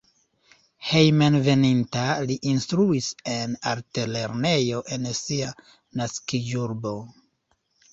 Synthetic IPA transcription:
hejmenve̞nintaliʔinstɾuise̞naɾtele̞ɾne̞jo̞ʔe̞nsia | naskid͡ʒuɾbo̞

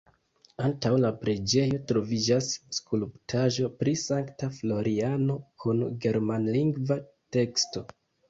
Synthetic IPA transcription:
antawlapɾe̞d͡ʒe̞jo̞tɾo̞vid͡ʒasːkulptʰaʒo̞pɾisaŋktaflo̞ɾʔiano̞kʰunɡe̞ɾmanliŋɡvate̞ksto̞

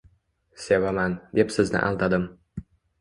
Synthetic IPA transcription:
sʲevamɑnd̪epsɘznɘ̰ʔɑ̰lˠd̪ɑd̪ɤm

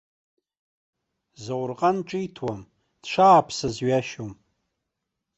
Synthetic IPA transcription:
zawrqʼanʈ͡ʂʼijtʰwam | d̥ʂaːpʰsazɥaʃom

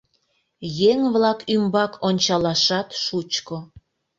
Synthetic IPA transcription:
jeŋβlɑkymbɑkʰonʲt͡ɕɑlɑʃɑt̪ʃut͡ɕko

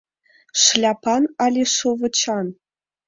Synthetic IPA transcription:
ʂlʲɑpʰɑnɑlʲeʂovɤ̆t͡ɕʰɑn

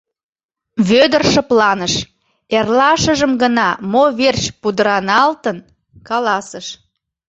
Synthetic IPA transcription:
βød̪ərʃə̆plɑnəʃ | erlɑʃəʒəmɡənɑmoβert͡ɕpud̪əɾɑnɑlt̪ən | kɑlɑsəʃ

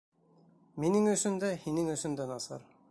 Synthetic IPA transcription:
minɘŋɵ̆ʃɵ̆nd̪æhinɘŋɵ̆sɵ̆nd̪ænɑsɑ̰ɾ

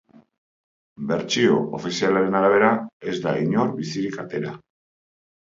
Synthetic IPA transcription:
be̞ɾt͡ʃio̞o̰fisialaɾe̞naɾaβ̞e̞ɾae̞zd̪aiɲo̞ɾbisiɾikat̪e̞ɾa̰

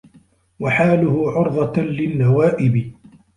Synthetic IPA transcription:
waħaːlʊhʊʕʊɾˤðˤɑlɪnːawaːʔɪbɪ

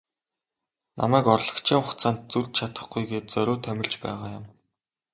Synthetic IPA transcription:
nʔa̰mæːkɔrɮɞ̆kt͡ɕʰiːʊxt͡sʰaːnt̪̚t͡surt͡ɕt͡ɕʰat̪ə̥̆χɡujɡeːt̪̚t͡sœɾʲoːt̪ʰæmʲɪ̆ɮt͡ɕpæ̰ːʁaːjʊm

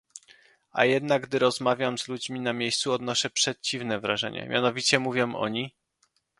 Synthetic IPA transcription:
a̰jɛd̪naɡ̚ɡd̪ɘɾɔzmavʲjamzlud͡ʑmʲinamʲjejst̪suɔd̪nɔʂɛpʂɛt͡ɕivnɛvɾaʐɛ̰ɲɛ̰mʲja̰nɔvʲit͡ɕɛmuvʲjɔ̃mʔɔ̰ɲi

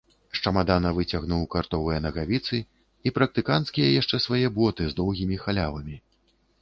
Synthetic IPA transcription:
ʂt͡ʂɐmad̪anɐvɨt͡sʲaɣnuwkart̪ɔvɨjɐnɐɣavʲit̪sɨ | ipɾɐk̚t̪ɨkant̪skʲijɐjaʂt͡ʂɛsvajɛbɔt̪ɨzd̪ɔwɣʲimʲixalʲavɐmʲi

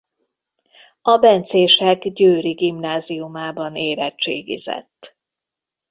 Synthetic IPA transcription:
ɒbɛnt̪seːʃɛɡɟøːɾiɡimnaːzijumaːbɒneːɾɛt͡ʃḛːɡḭzɛ̰t̪ː

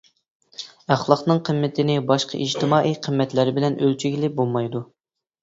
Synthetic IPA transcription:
æχlˠɑqnɨŋqʰəmːɪt̪ʰɪnɪbɑʃqʰɑ̰ʔid͡ʒt̪ʰɪmɑːʔijqʰəmːɛt̪lɪɾɪbɪlɛnʔølt͡ʃʰyɡʲilɪbolˠmɑjd̪u

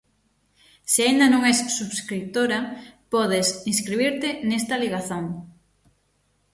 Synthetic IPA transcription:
sɪaind̪ɐnõŋɛsːuβskɾit̪oɾɐpɔðesinskɾiβiɾt̪ɪnest̪ɐliɣ̞aθoŋ

